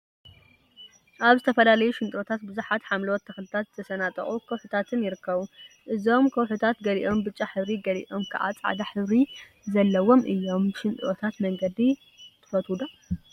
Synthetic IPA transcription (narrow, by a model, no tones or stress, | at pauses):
ʔaβzɨt̪ʰɐfɐlalɐjuʃɪnt̪ʼot̪ʰat̪̚bɨzuħat̪ħamlwot̪ʰːɐxlɨt̪ʰat̪zɨt̪ʰɐsɐnat̪ʼɐ̰χʼukʰɐwħut̪ʰat̪ʰɨnjɪɾɨkːɐβu | ʔɨzo̞mkʰɐwħut̪ʰat̪ɡɐliʔo̞mbɨt͡ʃʼːaħɨβɾiɡɐlḭʔo̞mkʰa̰ʔʕa̰t͡sʼa̰ʕd̪aħɨβɾi | zɐlːɐwo̞mʔɨjːo̞mʃɪnt̪ʼʔot̪ʰat̪mɐŋɡɐd̪i | t̪ʰɨ̥fɐt̪ud̪o